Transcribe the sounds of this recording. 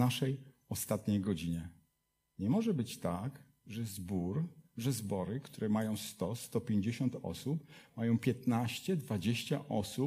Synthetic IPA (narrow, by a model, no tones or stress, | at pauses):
aʂɛj | ɔst̪at̪ɲejɡɔd͡ʑiɲɛ | ɲɛmɔʐɛbɘt͡ɕt̪aɡ | ʐɛzbuɾʐɛzbɔɾɘkt̪uɾɛmajɔ̃w̃st̪ɔst̪ɔpʲjeɲd͡ʑeɕɔnt̪ɔ̰supmajɔ̃w̃pʲjɛt̪naɕt͡ɕɛd̪vad͡ʑeɕt͡ɕaʔɔsu